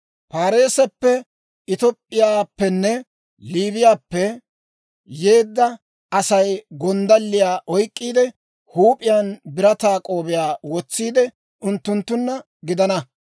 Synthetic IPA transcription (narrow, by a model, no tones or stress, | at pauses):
paːɾe̞ːsɛpːɛ | ɪt̪ɔpʼːɪjaːpːɛnːɛ | liːbɪjaːpːɛ | je̞ːd̪ːɐ | ɐsɐjɡɔnd̪ɐlːɪjaːʔɔjkʼːiːd̪ɛ | huːpʼɪjaːnbɪɾɐt̪aːkʼo̞ːbɪjaːwɔt͡sːiːd̪ɛ | ʔʊnt̪ːʊnt̪ːʊnːɐ | ɡɪd̪ɐnɐ